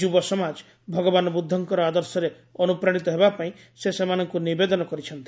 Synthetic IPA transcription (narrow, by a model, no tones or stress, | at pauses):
ubɔsɔmad͡ʒ | bʱɔɡɔbanɔbud̪ʱːɔŋkɔɾɔad̪ɔɾsɔɾe | ɔnupɾaɽ̃it̪ɔɦebapaĩ | sesemanɔŋkunibed̪ɔnɔkɔɾit͡ʃʰɔnt̪i